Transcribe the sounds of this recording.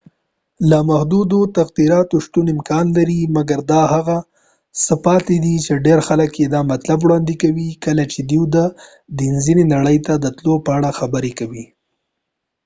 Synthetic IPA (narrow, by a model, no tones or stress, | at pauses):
lamahd̪ud̪ot̪aɣd̪iɾɑt̪oʃt̪unɪmkɑnlaɾimaɡaɾd̪ɑhaɣa | səpɑt̪ed̪it͡ʃeɖeɾxaləkjed̪ɑmat̪labwɽɑnd̪ikawikəlat͡ʃed̪iwd̪ə | d̪inzinenaɽəjt̪ad̪ət̪lopəaɽaxabəɾekawi